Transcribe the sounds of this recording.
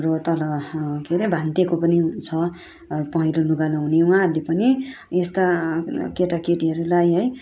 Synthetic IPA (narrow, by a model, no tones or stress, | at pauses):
rot̪ʌlʌkeɾebʱant̪ekopʌnit͡sʰʌ | pʌɦĩloluɡalaɦunewɦãɦʌɾulepʌni | est̪akeʈakeʈiɦʌɾulajɦʌj